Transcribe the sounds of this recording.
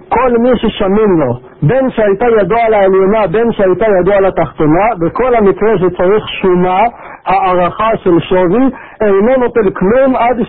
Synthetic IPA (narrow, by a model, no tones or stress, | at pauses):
ko̞lmiʃeʃaminlo̞ | be̞nʃeajt̪ajad̪ualaeljonabe̞nʃeajt̪ajad̪ualat̪aχt̪o̞nabeko̞lhamikʁe̞ʃ̬et͡saʁiχʃuna | haːʁaχaʃe̞lʃovi | ejnono̞t̪elklumad̪